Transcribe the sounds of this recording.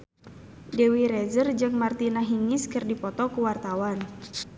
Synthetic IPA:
dɛwiɾɛzərd͡ʒɨŋmart̪inaɦiŋiskɨrdipɔt̪ɔkuwart̪awan

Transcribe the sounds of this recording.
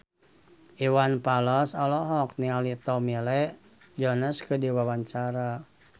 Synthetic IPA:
ʔiwanpalɔsɔlɔɦɔk̚nialit̪ɔmilɛʔ | d͡ʒɔnəskədiwawaɲt͡ʃaɾa

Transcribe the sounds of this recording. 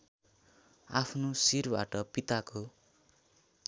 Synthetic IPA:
apʰnosirba̰ʈʌpit̪ako

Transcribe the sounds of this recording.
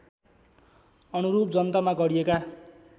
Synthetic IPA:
ʌnuɾupd͡zʌnt̪ʌmaɡʌɽieka

